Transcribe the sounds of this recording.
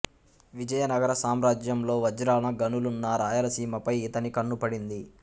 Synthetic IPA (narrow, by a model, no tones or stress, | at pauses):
ʋid͡ʒɐjɐnɐɡɐɾɐsaːmɾaːd͡ʒjɐmlo̞ːʋɐd͡ʒɾaːnɐɡɐnulunːaːɾaːjɐlɐsiːmɐpɐjit̪ɐnikɐɳːupɐɽind̪i